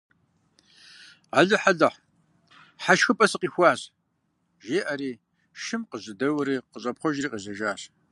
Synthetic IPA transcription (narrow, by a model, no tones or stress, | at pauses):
aɮɨħaɮɐħ | ħaʃxɨpʼɐsɨqiːxʷɑːz | ʒeːʔɐɾiː | ʃɪmqəʑɨdɐwɾiːqəɕʼɐpχʷɔʒriːqizɐʒaːɕ